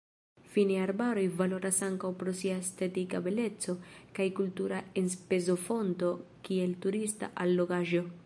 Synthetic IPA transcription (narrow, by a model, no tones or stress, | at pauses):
finiaɾbaɾo̞jvalo̞ɾasaŋkawpɾo̞siaestetikabe̞le̞t͡so̞kajkultuɾaenspe̞zo̞fo̞nto̞kie̞ltuɾista̰ʔalːo̞ɡaʒo̞